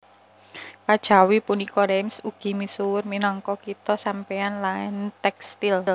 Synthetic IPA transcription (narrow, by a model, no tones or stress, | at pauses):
kad̥ʒ̥a̤wipunikɔɾɛmsuɡ̥i̤misuwʊrminɔŋkɔkit̪ɔsampeanlaɛnt̪ɛkst̪ill